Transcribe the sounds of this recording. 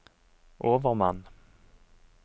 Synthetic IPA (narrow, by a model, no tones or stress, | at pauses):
ʔoːvəɾmanː